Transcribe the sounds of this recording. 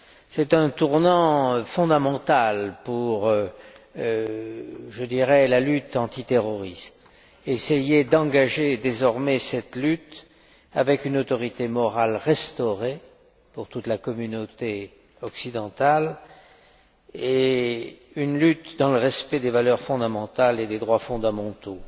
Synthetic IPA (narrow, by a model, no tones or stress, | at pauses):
sɛt̪ɛ̃t̪uʁnɑ̃fɔ̃d̪amɑ̃t̪alpuʁø | ʒəd̪iʁɛlalyt̪ɑ̃t̪it̪eʁɔʁist̪ | esejed̪ɑ̃ɡaʒed̪ezɔʁmɛsɛt̪lyt̪ | a̰vɛkynot̪ɔʁit̪emɔʁalʁɛst̪ɔʁe | puʁt̪ut̪lakɔmynot̪e | ɔksid̪ɑ̃t̪al | e | ynlyt̪d̪ɑ̃ləʁɛspɛd̪evalœʁfɔ̃d̪amɑ̃t̪aled̪ed̪ʁwafɔ̃d̪amɑ̃t̪o